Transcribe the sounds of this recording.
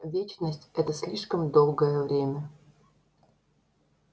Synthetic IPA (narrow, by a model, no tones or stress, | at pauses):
vʲet͡ɕnəsʲtʲɛt̪əsʲlʲiʂkəmd̪olˠɡəjəvɾʲemʲə